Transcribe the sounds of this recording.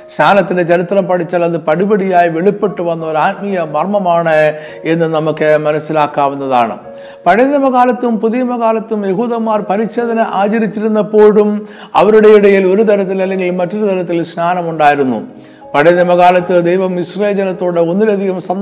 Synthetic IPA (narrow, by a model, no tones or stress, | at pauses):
ɕnʰaːnɐt̪ːindet͡ɕɐɾit̪rɐmpɐʈʰit͡ɕːalɐðɨpɐɽibɐɽijaːjiʋe̞ɭipːe̞ʈːuʋɐnːɐoɾaːt̪mijɐmɐrmɐmaːɳɨ | e̞nːɨnɐmukːɨmɐnɐsilaːkːaːʋunːɐðaːɳɨ̰ | pɐɽenɐmɐkaːlɐt̪ːumpuðijɐmɐkaːlɐt̪ːumje̞ɦuːðɐmːaːrpɐɾiɕe̞ːd̪ʱɐnɐʔaːd͡ʑɐɾit͡ɕːiɾunːɐpːo̞ːɽum | ɐʋɐɾuɽejiɽɐjilo̞ɾut̪ɐɾɐt̪ːilɐlːe̞ŋɡilmɐtːoɾut̪ɐɾɐt̪ːilsnaːnɐmuɳɖaːjiɾunːṵ | pɐɽeðɐmɐɣaːlɐt̪ːɨd̪ejʋɐmiɕreːd͡ʑɐnɐt̪ːo̞ːɽeo̞nːilɐd̪ʱiɣɐmsɐ